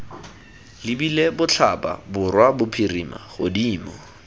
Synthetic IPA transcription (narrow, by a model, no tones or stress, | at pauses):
lɪbilebʊt͡ɬʰapʼa̰bʊrwabʊpʰirima̰χʊdiːmɔ